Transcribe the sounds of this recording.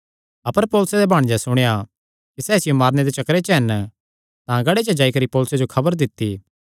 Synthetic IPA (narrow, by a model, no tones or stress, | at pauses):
ɐpəɾpoːlʊsed̪ebʱaːɽ̃d͡ʒasʊɽ̃eja | kisɛːsɪjomaːɾned̪et͡ʃɐkɾet͡ʃɦɛn | t̪ãɡɐɽet͡ʃəd͡ʒaːikɐɾipoːlʊsed͡ʒokʰɐbəɾd̪ɪt̪ːi